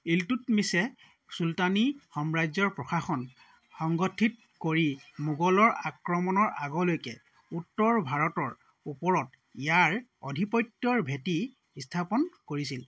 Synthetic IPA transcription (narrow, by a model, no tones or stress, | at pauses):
eltutmisɛ | sultanixɔmɹajzɔɹpɹɔxaxɔn | xɔŋɡɔtʰit̚ | koɹimuɡɔlɔɹakɹɔmɔnɔɹaɡɔlojkɛ̰ | utːɔɹbʱaɹɔtɔɹ | upɔɹɔt | ijaɹɔ̰dʱipɔjtːjɔɹbʱeti | stʰapɔnkoɹisil